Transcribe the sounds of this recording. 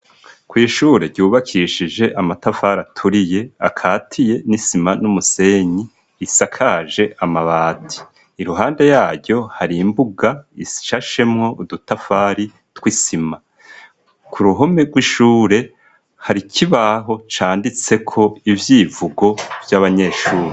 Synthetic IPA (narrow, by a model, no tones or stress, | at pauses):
kwiːʃuːɾe̞ɟuːβakʰiʃid͡ʒe̞ʔamatafaɾatʰuɾije̞akʰaːtʰije̞nisimanumuse̞ɲiː | sakʰaʒe̞ʔamaβaːtʰi̥ | iɾuɦaːnde̞jaːɾɟo̞haɾimbuɡaisʃaʃe̞mŋo̞udutafaːɾi | twisima | kʰuɾuɦo̞me̞ɡwiʃuːɾe̞ | haɾikʰiβaɦo̞t͡ʃaːndit͡se̞kʰo̞ivjiːvuɡo̞vjaβaɲe̞ːʃuːɾe